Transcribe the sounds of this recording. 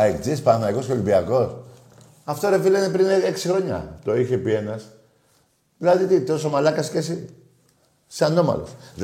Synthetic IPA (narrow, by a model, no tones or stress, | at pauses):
ekd͡zispɐθnɐiko̞skeo̞limbiɐko̞s | ɐft̪oɾe̞filenepɾineksixɾo̞ɲɐ̰t̪o̞içe̞pie̞nɐs | ðilɐðit̪it̪osomalɐkɐscesi | seano̞mɐ̰lo̰s